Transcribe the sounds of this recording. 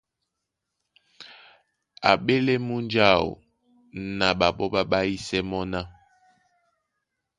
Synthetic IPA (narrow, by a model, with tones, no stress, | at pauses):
a̰˨ɓe˦le˦mu˦nd͡ʒa˦˨o̰˨ | na˨ɓa˨ɓɔ˦ɓa˦ɓa˦i˦sɛ˦mɔ˦na˦